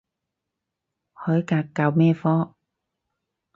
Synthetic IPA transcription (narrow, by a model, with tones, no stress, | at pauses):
hɔ˨˩˦jkaː˨˩kːaː˨˩wmɛ˧fɔː˧